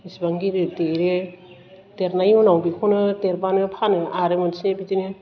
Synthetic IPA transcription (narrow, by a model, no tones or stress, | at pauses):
isbaŋɡiɾɯteɾe | teɾnajunawbikʰɔnɯteɾbanɯpʰanɯʔaɾemonsnebidine